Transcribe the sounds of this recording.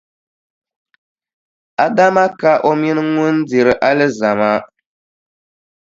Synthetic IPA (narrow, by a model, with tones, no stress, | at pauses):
a˦da˦ma˦ka˦ʔo˦mi˦nɨ˦ŋʊ˦n˦dɪ˨ɾɨ˨ʔa˦lɨ˦za˨ma˦